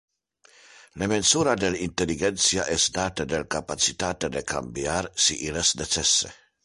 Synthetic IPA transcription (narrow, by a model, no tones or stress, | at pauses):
lemensuːɾad̪elint̪eliɡɛnt̪sjaʔesd̪aːt̪ed̪elkapat͡ʃit̪aːt̪ed̪ekʰa̰mbjarsiʔilesdet͡ʃɛsːḛ